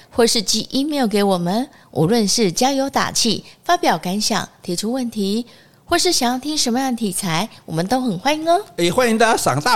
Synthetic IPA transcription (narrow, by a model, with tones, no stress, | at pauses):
xwɔ˥˩ʂɻ̩˥˩t͡ɕi˧˥ʔi˥me˧˥˧ke˧˥ɪwɔ˨˩mə˦n | ʔṵ˨˦lwə˥˧nʂɻ̩˥˩t͡ɕjɑ˥jo˧˥ʊt̪a̰˨˩t͡ɕʰi˥˩fa˥pjɑ˨˩ʊka˧˥nɕjɑ̰˨˩ŋt̪ʰi˧˥ʈ͡ʂʰu˥wə˥˩nt̪ʰi˧˥ | xwɔ˥˧˩ʂɻ̩˥˩ɕjɑ˨˩ŋjɑ˥˩ʊt̪ʰi˥ŋʂə˧˥nmə˧jɑ˥˩ŋd̪ə˩t̪ʰi˨˩t͡sʰa˧˥ɪwɔ̰˨˩mə˦nt̪o˥ʊxə˨˩nxwa˥ni˧˥ŋnə˦e˧˩xwa˥ni˧˥ŋd̪ə˧sɑ̰˨˩ŋt̪a˥˨